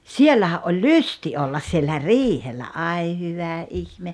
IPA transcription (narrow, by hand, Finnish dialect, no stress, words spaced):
sielːæhæʔ ʔolʲ lysti olːɑs sielːæ riːhelːæ ʔɑi hyʋæ ʔihme